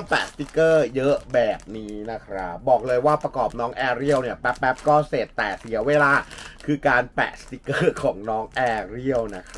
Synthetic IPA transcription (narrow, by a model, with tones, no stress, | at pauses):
ŋpɛː˦˩st̪i˦kɤː˥˩jɤ˦˥ʔbɛː˨˩p̚niː˦˥na˦˥kʰɾa˦˥p̚bɔː˨˩k̚lɤː˧jwaː˥˩pɾa˧kɔː˨˩p̚nɔː˦˥ŋʔɛː˧ɾi˥˩əwni˥˩ɐpɛ˦˥pːɛ˦˥p̚kɔː˥˩seː˨˩t̪ːɛː˨˩si˨˩˦ɐweː˧laː˧kʰɯː˧kaː˧npɛ̰˦˩st̪i˦˥kɤː˥˩kʰɔː˩˦ŋnɔː˦˥ŋʔɛː˧ɾi˥˩əwna˦˥kʰɾ